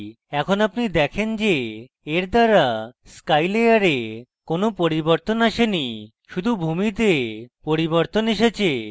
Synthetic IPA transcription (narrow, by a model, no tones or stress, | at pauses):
ɛkʰonapnid̪ɛkʰend͡ʑe | eɾd̪aɾaskajleaɾekonopoɾiboɾt̪onaʃeni | ʃud̪ʱubʱumit̪̬epoɾiboɾt̪oneʃet͡ɕʰe